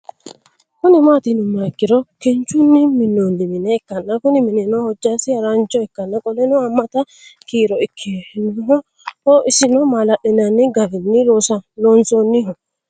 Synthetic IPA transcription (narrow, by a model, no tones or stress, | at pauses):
kʊnɪmaːt̪ɪnʊmːaɪkːɪɾɔkɛnt͡ʃʊnːɪmɪnːonːɪmɪnɛɛkːɐnːɐkʊnɪmɪnɛnɔhɔd͡ʒːasɪɐɾant͡ʃːɔɛkːɐnːɐkʼɔlɛnɔɐmːɐt̪ɐ | kiːɾɔɪkʰːɪnɦɔ | hoʔɪsɪnɔmalɐʔɪnɐnːɪɡɐbɪnːɪloːsɐloːnsonːɪɦɔ